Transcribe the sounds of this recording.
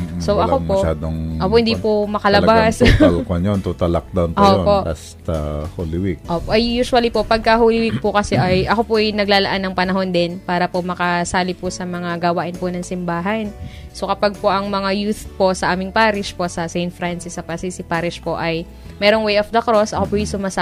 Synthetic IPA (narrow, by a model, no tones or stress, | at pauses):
msoʔɐompɐoʃʔaːd̪oŋoːpohɪnd̪ipomɐkɐlɐbaslkɐnjont̪ut̪ɐlak̚d̪awntoːjonpoʔa̰st̪ɐholiwikʔoːpoʔɐjjuːsʊwɐlipo̞pɐɡ̚kɐɦolɪwik̚pʊkɐsɛʔɐjʔɐko̞poʔɐjnɐɡlaːlɐʔanːɐŋpɐnɐɦo̞nd̪ɛnpaːɾɐpomɐkɐsaːlɪpʊsɐmɐŋaɡɐwaːʔɪnponɐŋsɪmbaːɦɐnso̞kɐpaɡ̚poʔɐŋmɐŋajuːθpo̞sɐʔaːmɪŋpaːɾɪʃpo̞sɐsejnfɾansɪsɐpɐsisɪpaːɾɪʃpo̞ʔɐj | mɛːɾoŋwejofd̪ɐkɾo̞sʔɐkopʊjʊsʊmaːsa